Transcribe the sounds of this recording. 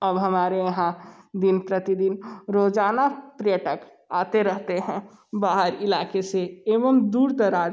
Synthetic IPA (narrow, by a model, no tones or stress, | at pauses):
ɐbɦɐmaːɾejɐɦãd̪ɪnpɾɐt̪id̪ɪnɾoːd͡ʒaːnapɾijəʈək | aːt̪eɾɐɦt̪eɦɛ̃ | baːɦəɾɪlaːkeseeːʋəmd̪uːɾd̪ɐɾaːd͡ʒ